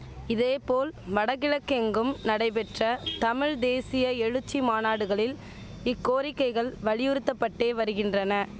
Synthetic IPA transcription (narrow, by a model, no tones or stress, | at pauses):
ɪðeːpoːlʋɐɽɐɣɪɻɐkːɛŋɡɯmnɐɽɐɪpɛʈrɐt̪ɐmɪɻd̪eːsɪjɐɛɻɯt͡ʃːimaːnaːɽɯɣɐɭɪl | ɪkːoːɾɪkːɐɪɣɐɭʋɐɻɪjɯɾɯt̪ːɐpːɐʈːeːʋɐɾɯɣɪndrɐnɐ